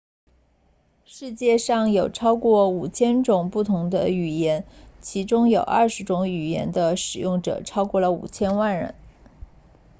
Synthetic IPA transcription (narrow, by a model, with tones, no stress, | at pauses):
ʂɻ̩˥˧t͡ɕjɛ˥˧ʂɑ˥˩ŋjo˨˩ʊʈ͡ʂʰɑ˥ʊkwɔ˥˩u˨˩t͡ɕʰjɛ˥nʈ͡ʂʊ˨˩ŋpu˥˩t̪ʰʊ˧˥ŋd̪ə̰˧y˨˩jɛ˧˥nt͡ɕʰi˧˥ʈ͡ʂʊ˥ŋjo˨˩ʊʔɐ̰˥˩ʂɻ̩˧˥ʈ͡ʂʊ˧˥ŋy˨˩jɛ̰˧˥nd̪ə˧ʂɻ̩˨˩jʊ˥˩ŋʈ͡ʂɤ̰˨˩ʈ͡ʂʰɑ˥ʊkwɔ˥˩lə˩ṵ˨˩t͡ɕʰjɛ˥nwa˥˩nɻə̰˧˥n